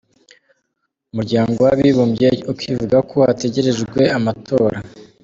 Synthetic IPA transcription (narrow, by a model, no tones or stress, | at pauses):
umuɾɟaːŋɡo̞waβiβomjeukwivuɡakʰowate̞ɟe̞ɾe̞ʒɡɡwe̞amatʰo̞ːɾa